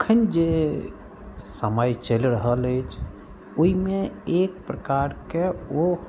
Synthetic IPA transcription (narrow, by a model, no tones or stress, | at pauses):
kʰənd͡ʒe | səməjt͡ʃəlɾəɦələjt͡ʃʰ | oimeek̚pɾəkaɾkeo